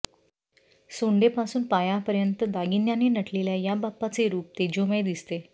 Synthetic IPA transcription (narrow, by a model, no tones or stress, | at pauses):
soɳɖepasuːnpajapəɾjənt̪əd̪aɡinjaninəʈʰleljajabapːat͡seɾuːp̚t̪ed͡ʑomejd̪ist̪e